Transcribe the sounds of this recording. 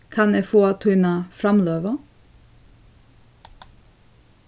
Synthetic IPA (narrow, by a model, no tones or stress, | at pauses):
kʰɑneːfoːt̪ʰʉnɑfɾɑmløːʋə